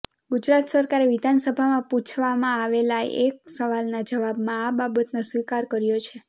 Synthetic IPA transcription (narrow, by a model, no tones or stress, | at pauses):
ɡud͡ʒɾat̪səɾkaɾeʋid̪ʱansəbʱamãput͡ʃʰʋamãaʋelaek̚səʋalnad͡ʒəʋabmãababət̪nosʋikaɾkəɾjot͡ʃʰe